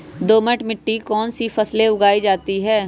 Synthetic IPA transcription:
d̪oːməʈmɪʈːikɔːnsifʰɐsleʊɡaːid͡ʒaːt̪iɦɛː

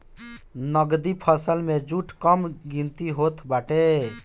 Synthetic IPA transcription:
nəɡd̪ipʰəsəlmed͡ʒuʈʰkəmɡint̪iɦot̪ʰbaʈe

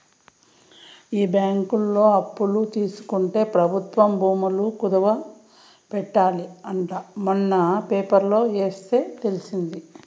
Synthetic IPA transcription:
iːbjaːŋkulːo̞ːɐpːulut̪iːsu̥kuɳʈe̞ːpɾɐbʱut̪ʋɐmbʱuːmulukud̪ɐʋɐ | pɛʈːaːliɐɳʈamɐnːɐpeːpɐɾlo̞ːe̞ːst̪e̞ːt̪e̞lisind̪i

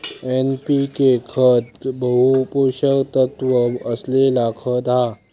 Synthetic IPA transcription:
enpikekʰət̪bəɦupoɕəkt̪ət̪ʋəəslelakʰət̪ɦa

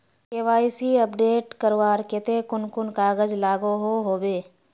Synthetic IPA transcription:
eːʋaːisiɐp̚ɖeːʈkəɾwaːɾket̪ekʊnkʊnkaːɣəd͡ʒlaːɡoɦoːɦoːbeː

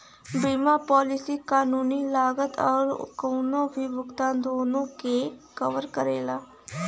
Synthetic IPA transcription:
biːmaːpɔːlɪsiːkaːnuːniːlaːɡət̪ɔːɾkoːnõːbiːbʊkt̪ãːnd̪oːnõːkeːkəʋəɾkəɾḛːlaː

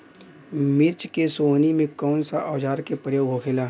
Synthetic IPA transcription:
mɪɾt͡ʃkesoːnimẽkɔːnsaʔɔːd͡ʒaːɾkepɾjoːɡɦokʰelaː

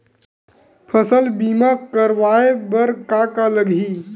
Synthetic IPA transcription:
pʰəsəlbiːmakəɾʋaːebəɾkakaləɡɦiː

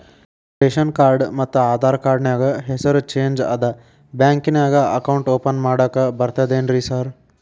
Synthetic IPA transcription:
ʈeːʃɐnkaːɾɖmɐt̪ːuaːd̪ʱaːɾkaːɾɖnaːɡɐɦesɐɾut͡ʃeːnd͡ʒɐ̰d̪ɐ | bjaːŋkinaːɡɐɐkɐwɳʈoːpɐnmaːɽɐːkɐbɐɾt̪ɐd̪eːnɾisaːɾ

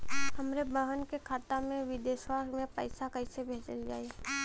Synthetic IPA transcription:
hɐmɾebəɦənkekʰaːt̪amẽʋɪd̪eʃwaːɾɡmẽpəɪsakɐɪsebʱeːt͡ʃə̰ld͡ʒa̰ːe

